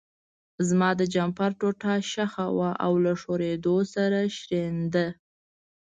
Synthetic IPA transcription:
zmɑd̪əd͡ʒampaɾʈoʈaʃaxawaʔa̰wlaʂoɾed̪osaɾaʃɾend̪ə

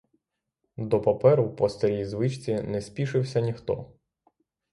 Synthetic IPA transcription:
d̪ɔpɐpɛɾʊwpɔst̪ɔɾʲijzʋɪt͡ʃt͡sʲinɛspʲiʃɪwsʲɐnʲixt̪ɔ̰

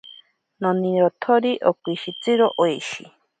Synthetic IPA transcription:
nɔniɾɔt̪ʰoɾiʔokʷiʃit͡sɨɾoʔoeʃi

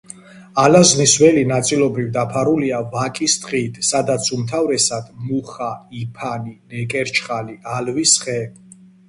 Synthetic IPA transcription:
alazniswɛlinat̪sʼilˠɔbɾivd̪apʰaɾuliavakʼist̪ʼqʼit̪ʰʼsad̪at̪sʰumt̪ʰavɾɛsad̪̥muχaipʰaninɛkʼɛɾt͡ʃʰχaliʔalvisχɛ

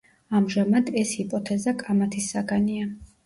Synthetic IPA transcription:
amʒamad̪ɛshipʼɔt̪ʰɛzakʼamat̪ʰisːaɡania

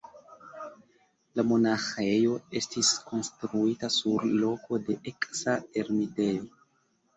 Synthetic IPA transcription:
lamo̞naxe̞jo̞e̞stisko̞nstɾuitasuɾlo̞ko̞de̞ʔeksae̞ɾmite̞jo

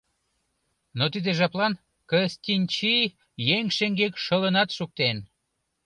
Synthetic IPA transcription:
not̪id̪eʒɑplɑn | kəsʲt̪ʲinʲt͡ɕi | jeŋʃeŋɡekʃələnɑt̪ʃuk̚t̪en

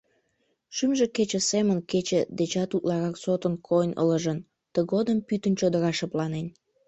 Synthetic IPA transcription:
ʃymʒeket͡ɕĕsemənket͡ɕĕd̪et͡ɕɑt̪ut̪lɑɾɑksot̪ənkʰojnə̰lə̆ʒən | t̪əɣod̪əmpyt̪ənt͡ɕod̪əɾɑʃəplɑnen

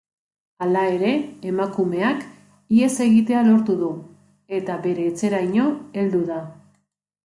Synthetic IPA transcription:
alae̞ɾe̞ːmakume̞ak | ie̞se̞ɣit̪e̞alo̞ɾt̪uðu | e̞t̪aβe̞ɾe̞ːt͡se̞ɾajɲo̞e̞ld̪uða

